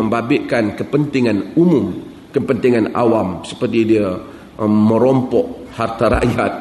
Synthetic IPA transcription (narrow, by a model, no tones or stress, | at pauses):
əmbabɪʔkankəpənt̪iŋanumʊm | kəpənt̪iŋana̰wamsə̥pərt̪idiə | mə̃ɾɔmpɔʔhart̪aɾa̰ʔja̰t̪̚